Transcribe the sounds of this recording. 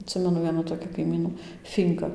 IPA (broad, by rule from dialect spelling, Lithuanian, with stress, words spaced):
ɐtʲˈsʲɪmʲɛnʊ ˈʋʲiɛnuː toːˈkʲiː kɐɪˈmʲiːnuː ˈfʲiːŋkɐ